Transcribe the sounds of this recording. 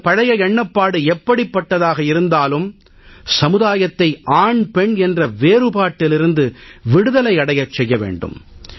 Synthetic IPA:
pɐɻɐjɐɛɳːɐpːaːɽɯɛpːɐɽipːɐʈːɐðaːɣɐɪɾɯnd̪aːlɯm | sɐmɯðaːjɐt̪ːɐɪʔaːɳpɛɳɛndrɐʋeːɾɯpaːʈːɪlɪɾɯnd̪ɯʋɪɽɯðɐlɐɪɐɽɐjɐt͡ʃːɛjːɐʋḛːɳɖɯ̰m

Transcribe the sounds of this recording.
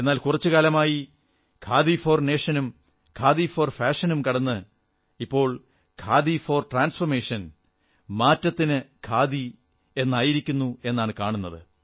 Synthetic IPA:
e̞nːaːlkurɐt͡ɕːɨkaːlɐmaːji | kʰaːðifo̞ːrne̞ːʂɐnum | kʰaːðifoːrfaːʂɐnumkɐɽɐnːɨ | ipːo̞ːɭ | kʰaːðifo̞ːrʈraːnsfɐrmeːʂɐn | maːtːɐt̪ːinɨkʰaːði | e̞nːaːjiɾikʲːunːue̞nːaːɳɨkaːɳunːɐðɨ̰

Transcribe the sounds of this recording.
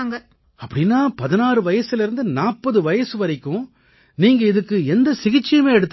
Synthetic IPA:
ŋɡɐ | ɐpːɐɽɪnːaːpɐðɪnaːrɯʋɐjɐsɪlɪɾɯnd̪ɯnaːpːɐðɯʋɐjɐsɯʋɐɾɪkːʊ̃ | niːŋɡɐɪðɯkːɯɛnd̪ɐsɪɣɪt͡ʃːɪjɐmeːɛɽɯt̪ː

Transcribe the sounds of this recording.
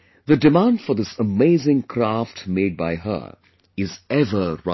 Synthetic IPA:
ðɨdɨmãndfə˞ðɪsəmeɪzɪ̃ŋkʰɾaftmeɪd̚baɪɦə̰ | ɪzɛvə˞ɹa

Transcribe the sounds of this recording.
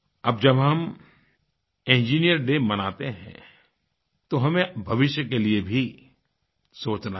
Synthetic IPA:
ɐbd͡ʒɐbɦɐm | ẽnd͡ʒiːnijəɾɖeːmɐnaːt̪eɦɛ̰̃ | t̪oɦɐmẽbʱɐʋɪʃjəkeliebʱi | soːt͡ʃna

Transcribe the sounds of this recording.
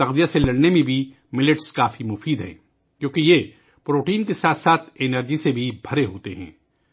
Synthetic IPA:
ɐqzijaselɐɽnemẽbʱi | mɪlɪʈskaːfimʊfiːd̪ɦɛ̰̃ː | kjõːkije | pɾoːʈiːnkesaːt̪ʰsaːt̪ʰɪnəɾd͡ʒisebʱibʱɐɾeɦoːt̪eɦɛ̰̃ː

